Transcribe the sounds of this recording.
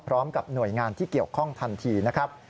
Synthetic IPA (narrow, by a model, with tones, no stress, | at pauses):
pʰɾɔː˦˥mka˨˩p̚nu˨˩əjŋaː˧nt̪ʰiː˥˩ki˨˩əwkʰɔ˥˩ŋt̪ʰa˧nt̪ʰiː˧na˦˥kʰɾa˦˥p̚